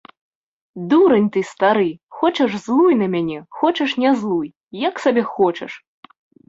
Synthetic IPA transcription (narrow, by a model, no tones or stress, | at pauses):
d̪uɾɐnʲt̪ɨst̪aɾɨxɔt͡ʃɐʐzlˠujnɐmʲanʲɛxɔt͡ʃɐʂnʲazlˠuj | jɐksabʲɛxɔt͡ʂɛ̰ʂ